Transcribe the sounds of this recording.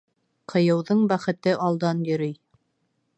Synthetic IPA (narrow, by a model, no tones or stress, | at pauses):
qʰɤ̆jɤ̆wðɤɴbæχɘ̆t̪ɘʔɑlˠd̪ɑnjɵ̆ɾɘj